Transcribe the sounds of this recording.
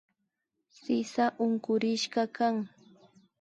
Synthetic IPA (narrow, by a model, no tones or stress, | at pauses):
sɪsaʔʊŋkʊɾɪʃɢɑkaŋ